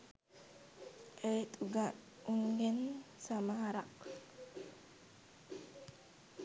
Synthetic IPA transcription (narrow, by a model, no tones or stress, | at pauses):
ʔet̪ʼuɡa | uŋɡɛnsamahaɾak